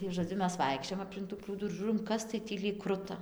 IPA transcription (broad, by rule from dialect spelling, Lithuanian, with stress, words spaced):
tɐɪ ʒoːˈd͡zʲʊ ˈmʲɛs ˈʋɐɪkʃʲt͡ʃʲoːjɛm ɐpʲlʲɪŋk tuː ˈpruːduː ɪr ˈʒuːroːm ˈkɐs tɐɪ ˈtʲiː lʲiːk ˈkrʊtɐ